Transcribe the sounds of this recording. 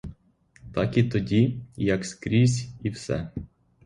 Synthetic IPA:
t̪ɑkit̪ɔdʲijɐkskɾʲizʲiwsɛ̰

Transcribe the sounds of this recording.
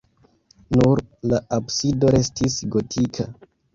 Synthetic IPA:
nuɾlaabsido̞ɾe̞stʰisɡo̞tʰikʰa

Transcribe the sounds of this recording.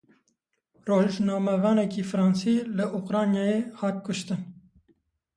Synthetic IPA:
roːʒnɑːmɛvɑːnɛkiːfɾɑːnsiːləʔuqɾɑːnjɑːjeːhɑːt̪̚kʰʊʃt̪ɨn

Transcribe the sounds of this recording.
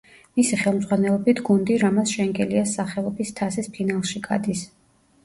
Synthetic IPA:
misiχɛlˠmd̪zʁwanɛlˠɔbit̪ʰɡund̪iɾamat̪sʃɛŋɡɛliasaχɛɔbist̪ʰasispʰinalˠʃiɡa̰d̪is

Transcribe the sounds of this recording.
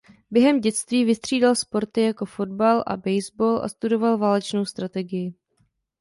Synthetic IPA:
bjɛɦɛmɟɛt͡st̪viːvɪst̪r̝̥iːdalspo̞ɾt̪ɪjako̞fo̞dbalʔa̰bɛjzboːlʔa̰st̪udo̞valvaːlɛt͡ʃno̞wst̪ɾat̪ɛɡɪjɪ

